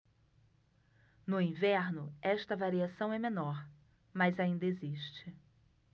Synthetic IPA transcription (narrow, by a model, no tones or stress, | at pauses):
nʊĩvɛɾnʊɛʃt̪ɐvaɾiasɐ̃w̃ɛmẽnɔɾ | mɐzaĩnd̪ɐeziʃt͡ʃɪ